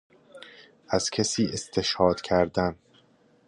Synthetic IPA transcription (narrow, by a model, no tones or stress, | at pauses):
ʔæz̥cʰesiːe̞st̪ʰe̞ʃhɒːd̪̥kʰæɾd̪æn